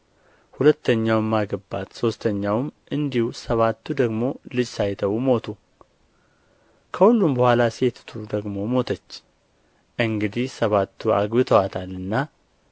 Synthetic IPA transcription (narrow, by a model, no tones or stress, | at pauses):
hulət̪ːəɲːawɛmːaɡəbːa̰t̪so̞st̪ʰəɲːawmʔɨnd̪ihusəβat̪ːud̪əɡmo̞lɨd͡ʒsajt̪ʰəwmo̞t̪ʰu | kʰəhulːumbəhʷalase̞t̪t̪ʰud̪əɡmo̞mo̞t̪ʰət͡ʃː | ʔɨŋɡɨd̪ihsəβat̪ʰːua̰ɡbɨt̪ʰəwat̪ʰalɨnːa